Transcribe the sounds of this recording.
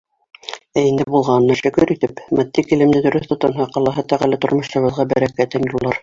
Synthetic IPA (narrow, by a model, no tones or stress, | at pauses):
æind̪ɘbulˠʁɑnɤ̆nːɑʃɵ̆kɵɾit̪ɘpmæt̪ːikilɘ̆md̪ɘd̪ɵ̆ɾɵθt̪ŏt̪ɑnɦɑqɑlˠɑɦɤt̪æʁælɘt̪ŏɾmŏʃt̪ɤ̆βɤ̆ðʁɑbæɾækæt̪ɘnjulˠːɑɾ